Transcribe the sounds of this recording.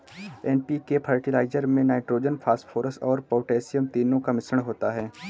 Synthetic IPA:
ɛːnpikepʰəɾʈɪlaːɪzəɾmẽnaːɪʈɾoːd͡ʒənpʰaːsʈfʰoːɾəsɔːɾpoːʈɛːsɪjəmt̪iːnõkamɪsəɽ̃ɦoːt̪aɦɛː

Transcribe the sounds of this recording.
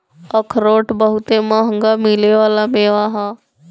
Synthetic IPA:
əkʰɾoːʈbəɦʊt̪ẽmãɦə̃ŋɡamileʋaːlamẽʋaːɦãː

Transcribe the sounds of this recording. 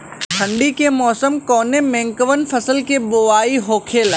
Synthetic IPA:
ʈʰɐ̃ɳɖikemɔːsəmkɔːnemɛ̃ŋkəʋənfʰɐsəlkeboʋaːiɦoːkʰel

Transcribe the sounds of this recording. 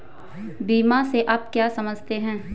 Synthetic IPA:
biːmaseʔaːp̚kjaːsɐməd͡ʒʱt̪eɦɛ̃ː

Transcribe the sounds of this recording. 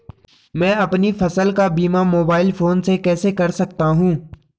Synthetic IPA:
mɛ̃ːəpnifʰəsəlkaːbiːmaːmoːbaːɪlpʰoːnsekɛːsekəɾsək̚t̪aɦũː

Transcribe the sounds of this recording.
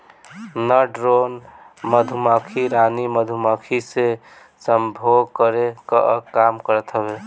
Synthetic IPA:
nəɖɾon | məd̪ʱumakʰiɾaniməd̪ʱumakʰise | səmbʱoɡkəɾekə̰kamkəɾət̪ɦəβe

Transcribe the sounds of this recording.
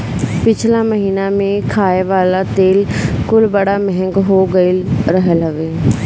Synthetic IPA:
pɪt͡ʃʰlaːməɦiːnaːmẽkʰaːeʋaːlaːt̪eːlkʊlbəɽaːmɛɦɛ̃ŋɡɦoːɡəilɾəɦəlɦəʋeː

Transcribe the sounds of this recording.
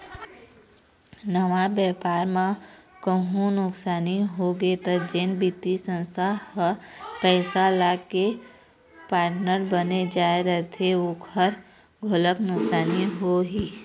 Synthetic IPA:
nəʋabjɛːpaːɾmãkəɦũnʊksaːniɦoɡet̪əd͡ʒenbit̪isə̃nst̪ʰahəpɛːsalaːke | paːɾʈnəɾbəned͡ʒaːeɾəɦt̪ʰeokʰəɾ | ɡʱʊləknʊksaːniɦoɦiː

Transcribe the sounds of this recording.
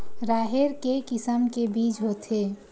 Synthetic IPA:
ɾaːɦɪɾkekɪsəmkebiːt͡ʃɦoːt̪ɦeː

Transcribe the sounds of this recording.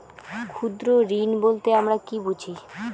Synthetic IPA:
kʰud̪ɾoɾinbolt̪eamɾakibud͡ʑʰʱi

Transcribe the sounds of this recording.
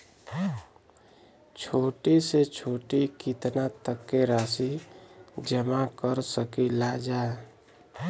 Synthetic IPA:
t͡ʃʰoːʈiset͡ʃʰoːʈikit̪nat̪əkːeɾaːsi | d͡ʒəmakəɾsəkilad͡ʒa

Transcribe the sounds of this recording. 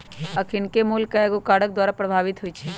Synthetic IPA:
ɐkʰɪnkemuːlkaeɡokaːɽək̚d̪waːɾapɾɐbʱaːʋɪt̪ɦʊit͡ʃʰi

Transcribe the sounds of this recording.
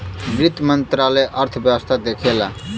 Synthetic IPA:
ɡɾɪt̪mənt̪ɾaːləjʔəɾt̪ʰəbjəwəst̪ʰad̪eːkʰela

